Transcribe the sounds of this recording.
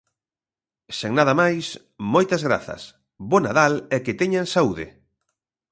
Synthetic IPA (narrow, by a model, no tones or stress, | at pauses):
seŋnaðɐmajs | mojt̪ɐzɣɾa̰θɐ̰s | bonaðalɛkɪt̪eɲaŋsauðɪ̰